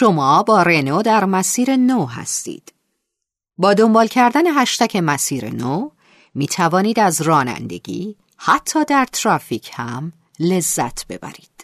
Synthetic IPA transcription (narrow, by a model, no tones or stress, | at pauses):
ʃo̞mɒːbɒːɾe̞noːd̪æɾmæsiːɾe̞noɦæ̰st̪ḭːd̪̥ | bɒːd̪o̞mbɒːlcʰæɾd̪æne̞ɦæʃt̪æcʰe̞mæsiːɾe̞̰no | miːt̪ʰævɒːniːd̪æzrɒːnæ̰nd̪e̞̰ɟḭː | hæt̪ʰːɒːd̪æɾt̪ʰɾɒːfiːcʰhæm | le̞zːæ̰t̪ʰb̥e̞̰bæ̰ɾiːd̪̥